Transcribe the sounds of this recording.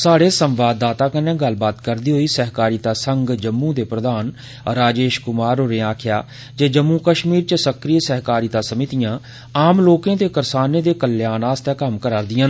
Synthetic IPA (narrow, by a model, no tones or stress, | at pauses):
saːɽeːsəmʋaːd̪ːaːt̪ãːkənẽːɡəlbaːt̪kəɾd̪iːɦoːiːsəɦkaːɾiːt̪aːsəŋɡd͡ʒəmːũːd̪eːpɾəd̪aːn | ɾaːd͡ʒeːʃkʊmaːɾoːɾẽːaːkʰɪjaː | d͡ʒeːd͡ʒəmːũːkəʃmiːɾt͡ʃəsəkɾiːesəɦkaːɾiːt̪aːsəmɪt̪ijãː | aːmloːkẽːt̪eːkəɾsaːneːd̪eːkəljaːnaːst̪ɛːkəmkəɾaːɾd̪ɪjãːn